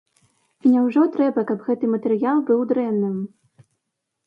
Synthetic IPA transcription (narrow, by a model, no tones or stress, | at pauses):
inʲɛwʐɔt̪ɾɛbɐkɐbɣɛt̪ɨmɐt̪ɛɾɨjalˠbɨwd̪ɾɛnːɨm